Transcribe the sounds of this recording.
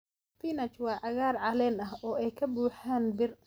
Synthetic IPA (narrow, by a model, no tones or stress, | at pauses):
finɐt͡ʃwɑːʕɑɣaːrʕɑlɛːnɐɦɔːʔɛjkʰɐbuːħaːnbɪr